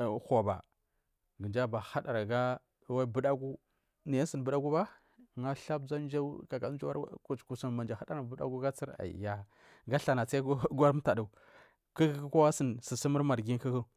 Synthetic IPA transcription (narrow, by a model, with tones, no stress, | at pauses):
xo˨ba̰˨ | ɡə˨d͡ʒa˦ba˨ha˦ɗa˨ɾa˨ɡa˦ | wa˦bə˦ɗa˦ɡu˦ | ni˨ja˦sə˦˨n˨bə˦da˦ɡu˦ba˦˨ | ŋa˦ɬa˦b̚za˦n˦d͡ʒa˦ka˨ka˨˦d͡ʒa˦a˦ku˨t͡ʃku˨sa˨nma˨nd͡ʒa˨ha˦da˦na˨bu˦da̰˦ɡu˦ɡa˦t͡si˦ɾa̰˨ḭ˨ja˨ | ɡa˦ɬa˨na˨t͡sa˦i˦ɡʷa˦ɾta˨du˨ | kə˦kə˦kə˦kʷa˦wa˦sə˨nsə˨si˦mə˦ɾma˨ɾɡi˦n˦kə˦kə˦